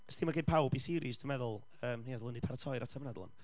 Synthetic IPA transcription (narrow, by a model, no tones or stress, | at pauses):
stʰiːmaɡed̚pʰawbisiːɾisd̥umɛðʊlˠ | əːmiɛðlˠəndipʰaɾatʰɔjɾatʰamənɛd̪lˠɔ̰n